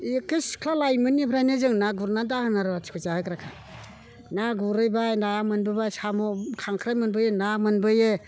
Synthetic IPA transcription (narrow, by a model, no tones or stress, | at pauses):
ekɯskʰlalajmɯnipʰɾajnɯzɯŋnaɡuɾnadahɯnaɾbatʰi̥kʰuzahɯkɾakʰa | naɡuɾɯjbajnajamɯnbɯbasamɔkʰaŋkʰɾajmɯnbɯjenamɯnbɯje